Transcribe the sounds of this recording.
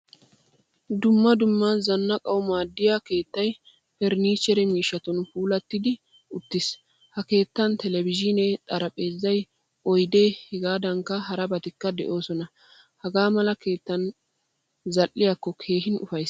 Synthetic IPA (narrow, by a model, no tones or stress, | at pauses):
d̪ʊmːɐd̪ʊmːɐzɐnːɐkʼɐwʊmaːd̪ːɪjake̞ːt̪ːɐj | fɛɾniːt͡ʃɛɾɛmiːʃːɐt̪ɔnfuːlɐt̪ːɪd̪ɪ | ʊt̪ːɪs | hɐke̞ːt̪ːɐnt̪ɛlɛbɪd͡ʒɪnɛt̪ʼɐɾɐpʼe̞ːzːɐj | ʔɔjd̪eːhɛɡaːd̪ɐŋkːɐɦɐɾɐbɐt̪ɪkːɐd̪ɛ̰ʔo̞ːsɔnɐ | hɐɡaːmɐlɐke̞ːt̪ːɐn | zɐlʔːɪjakːɔkʰe̞ːhɪnʊfɐjs